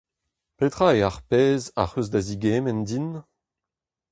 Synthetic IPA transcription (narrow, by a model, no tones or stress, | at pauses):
pet̪χaeaʁpɛːza̰ʁøzdaziɡeːmɛndin